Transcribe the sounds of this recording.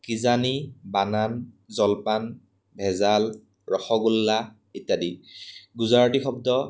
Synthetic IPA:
kizanibanan | zɔlpan | bʱɛzal | ɹɔxɔɡulːa | itːadiɡuzaɹɔdixɔb̚dɔ

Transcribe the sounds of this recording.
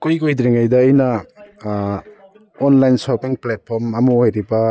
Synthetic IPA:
kujkojd̪ɾiŋajdɐːjnɐ | onlajnsopiŋplet̚pʰoɾmɐmuojɾibɐ

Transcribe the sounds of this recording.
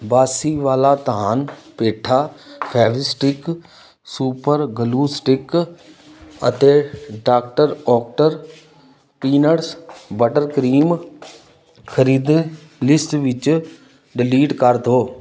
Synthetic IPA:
baːsiʋaːlat̪ɦaːnpeːʈʰaːpʰɛːʋɪsʈɪk | suːpəɾɡəluːsʈɪk | ə̰t̪eːɖaːk̚ʈəɾɔːk̚ʈəɾ | piːnəɾsbəʈəɾkɾiːm | kʰəɾiːd̪ | lɪsʈʋɪt͡ʃ | ɖɪliːɖkəɾt̪oː

